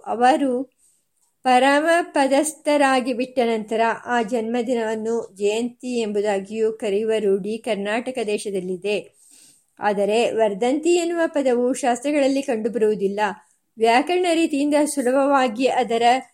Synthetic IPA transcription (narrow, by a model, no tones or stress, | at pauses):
ʔɐ̰ʋɐɾu | pɐɾamɐpɐd̪ɐst̪ɐɾaːɡibiʈːɐnɐnt̪ɐɾɐʔaːd͡ʒɐnmɐd̪inɐʋɐnːud͡ʒɐjɐnt̪ie̞mbud̪aːɡijukɐɾiʋɐɾuːɖikɐɾnaːʈɐkɐd̪ɛːʃɐd̪ɐlːid̪e̞ | a̰ːd̪ɐɾe̞ʋɐɾd̪ɐnt̪ienːuʋɐpɐd̪ɐʋuʃaːst̪ɾɐɡɐɭɐlːikɐɳɖubɐɾuʋud̪ilːɐ | ʋjaːkɐɾɐɳɐɾiːt̪ijind̪ɐsulɐbʱɐʋaːɡiɐd̪ɐɾɐ